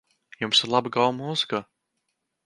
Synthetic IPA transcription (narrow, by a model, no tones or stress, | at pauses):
jumsɪɾlˠabɨɡalˠmuz̥ɨka